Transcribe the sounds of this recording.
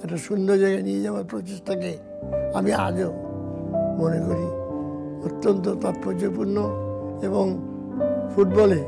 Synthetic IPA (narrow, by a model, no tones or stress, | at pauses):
ɛʈasund̪ɔd͡ʒaɡanied͡ʑabaɾpɾot͡ʃesʈʰake | amia̰d͡ʑo | monekoɾi | ot̪ːɔnt̪̬ɔt̪ɔpːod͡ʑojpuɾnɔ | ebɔŋ | pʰuʈ̚bɔle